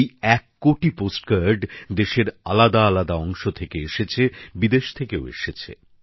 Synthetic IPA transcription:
jɛkːoʈiposʈkaɾɖd̪eʃeɾa̰lad̪aalad̪aɔŋʃot̪ʰekeeʃet͡ɕʰebid̪eʃt̪ʰekeoḛʃet͡ɕʰḛ

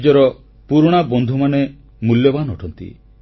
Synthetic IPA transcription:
d͡ʒɔɾɔ | puɾɽ̃abɔnd̪ʱumane | muljɔbanɔʈʰɔnt̪ḭ

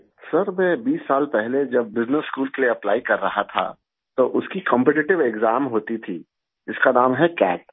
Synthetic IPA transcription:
sɐɾmɛ̃biːsːaːlpɛɦled͡ʒɐb̚ːɪznəsːkuːlkelieɐplaːikɐɾːɐɦat̪ʰa̰ | t̪oʔʊskikɔ̃mpɛʈɪʈɪʋeɡzaːmɦoːt̪it̪ʰiː | ɪskanaːmɦɛkɛ̰ːʈ̚

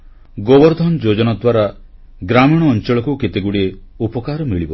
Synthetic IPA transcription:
ɡobɔɾd̪ʱɔnd͡ʒod͡ʒɔnad̪waɾa | ɡɾamiɽ̃ɔːnt͡ʃɔɭɔkuket̪eɡuɽie | upɔkaɾɔmiɭibɔ

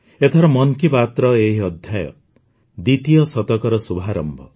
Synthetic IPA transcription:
et̪ʰɔɾɔmɔŋkipat̪ɾɔeɦiɔd̪ʱjajɔ̰ | d̪it̪ijɔsɔt̪ɔkɔɾɔsubʱaɾɔmbʱɔ̰

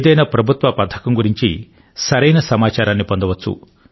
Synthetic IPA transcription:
d̪ɐjnɐpɾɐbʱut̪ʋɐpɐd̪ʱʰɐ̥kɐmɡuɾiɲt͡ʃḭ | sɐɾɐjnɐsɐmaːt͡ʃaːɾaːnːipɔnd̪ɐʋɐt͡ʃːṵ

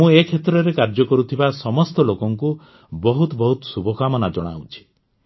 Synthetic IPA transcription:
ũekʰet̪ɾɔɾekaɾd͡ʒɔkɔɾut̪ʰibasɔmɔst̪ɔlokɔŋku | bɔɦut̪bɔɦut̪ɔ̥subʱɔkamɔnad͡ʒɔɽ̃a̰wt͡ʃʰi̥

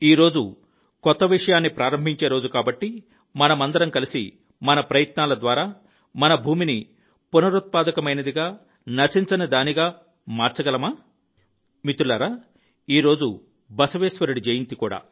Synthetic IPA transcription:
iːɾo̞ːd͡ʒu | kɔt̪ːɐʋiʂɐjaːnːipɾaːɾɐmbʱiɲt͡ʃe̞ːɾo̞ːd͡ʒukaːbɐʈːi | mɐnɐmɐnd̪ɐɾɐmkɐlisḭ | mɐnɐpɾɐjɐt̪naːlɐd̪ʋaːɾaː | mɐnɐbʱuːmini | punɐɾut̪̚paːd̪ɐkɐmɐjnɐd̪iɡaː | nɐsint͡ʃɐnɐd̪aːniɡaː | maːɾt͡ʃɐɡɐlɐmaː | mit̪ulɐɾa | iːɾo̞ːd͡ʒu | bɐsɐʋeːsʋɐɾuɽid͡ʒejint̪ikuːɽa̰ː

